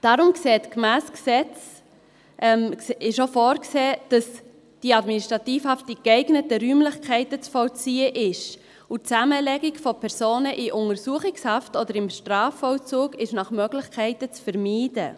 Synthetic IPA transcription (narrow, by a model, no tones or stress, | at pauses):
d̥ɑːɾʊmkseːtkmæːsksɛt͡s | ʔɛmɪʃofɔːɾkseːd̥ɑs | d̥iɑdminiʃtɾɑtiːfhɑftikɛɪɡnətəɾyːmlɪχkʰɛɪtət͡sfɔlt͡siːəʔɪʃ | utt͡sæməlɛɡɪkfopʰɛɾsoːnəʔiʔʊŋəɾsuəχɪkshɑftɔdəɾɪmʃtrɑːfɔlt͡suːɡɪʃnɑχmœɡlɪχkʰɛɪtət͡sfəɾmiːdə